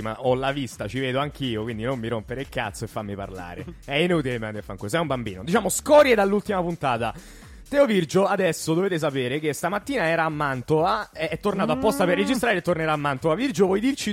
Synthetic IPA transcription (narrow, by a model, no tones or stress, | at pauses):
ima̰ʔɔlavist̪at͡ʃiveːd̪oaŋk̟iːokwind̪inomːiɾompeɾelkat̪soefːamːipa̰rla̰ːɾḛɛinuːt̪ilemeand̪iafːaŋkːes̬ɛumbambḭːnod̪it͡ʃaːmoskɔɾjed̪alːult̪imapunt̪aːt̪a | t̪ɛovird͡ʒoad̪ɛsːod̪oveːt̪es̬apeːɾek̟est̪amat̪ːiːnaɛːɾaːmːant̪oaeɛt̪ːornaːt̪oapːɔst̪aperːed͡ʒist̪ɾaːɾet̪ːorneɾaːmːant̪oavird͡ʒovwɔjd̪irt͡ʃi